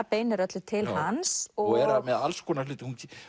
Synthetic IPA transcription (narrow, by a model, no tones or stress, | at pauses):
peːjnɛɾat̪lʏt̪ʰɪlhansɔɣɛɾamɛðalskʰɔːnalʏːt̪ɪhunc